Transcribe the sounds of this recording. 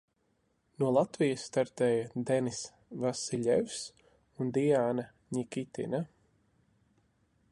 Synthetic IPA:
nuɔlˠat̪vijasːt̪aɾt̪ɛːjad̪ɛnis | vasiʎʲɛvs | und̪iaːna | ɲikʲit̪ḭna

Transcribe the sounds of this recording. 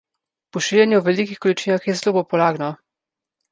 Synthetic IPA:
pɔʃiljɛnjuwvɛlikixkɔlit͡ʃiːnaxjɛzlopɔpɔlaːɡnɔ

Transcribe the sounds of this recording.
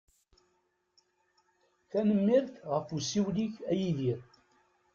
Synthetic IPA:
θænəmːiɾθʁəfusiwliçæjiðiɾ

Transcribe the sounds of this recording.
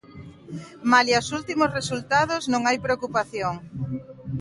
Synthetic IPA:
maliasult̪imosresult̪að̞oznõŋajpɾeokupaθjoŋ

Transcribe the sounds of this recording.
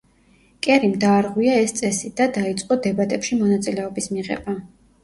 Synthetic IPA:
kʼɛɾimd̪aːɾʁwiaɛst̪sʼɛsid̪ad̪ait̪sʼqʼɔd̪ɛbat̪ʼɛpʃimɔnat̪sʼilɛɔbismiʁɛ̰b̥a

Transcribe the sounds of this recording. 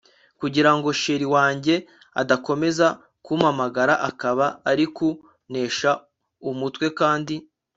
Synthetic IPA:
kuɟiɾaŋɡo̞ʃeɾiwaːɲɟe̞ | a̰dako̞me̞za | kumamaɡaɾaʔakaβaːɾiku | ne̞ːʃa | umutwe̞kaːndi

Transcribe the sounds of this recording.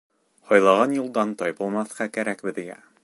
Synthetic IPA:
hɒjlˠɑʁɑnjulˠd̪ɑnt̪ɒjbɤ̆lˠmɑθqɑkæɾækbɘ̆ðiɡæ̰

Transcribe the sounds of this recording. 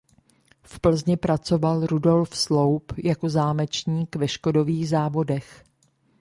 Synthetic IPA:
fpl̩zɲɪpɾat͡so̞valɾudo̞lfslowpjako̞zaːmɛt͡ʃɲiːkvɛʃko̞do̞viːɣzaːvo̞dɛx

